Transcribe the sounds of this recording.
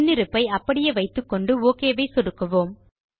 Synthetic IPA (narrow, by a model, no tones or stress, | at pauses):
nːɪɾɯpːɐɪɐpːɐɽɪjeːʋɐɪt̪ːɯkːɔɳɖɯoːkeːʋɐɪsɔɽɯkːɐʋoːm